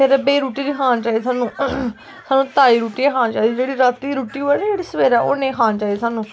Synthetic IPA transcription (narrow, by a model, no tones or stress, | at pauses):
pʰɪɾbeːɾuːʈiːɾiːkʰaːnt͡ʃaːid̪saːnũː | saːnũːt̪aːiːɾuːʈiːãkʰãːnt͡ʃaːid̪d͡ʒeːɽiːɾaːt̪ːiːɾuːʈiːald͡ʒeːɽiːsəʋeːɾɛːʔo̰ːnẽːkʰaːnt͡ʃaːiesaːnũː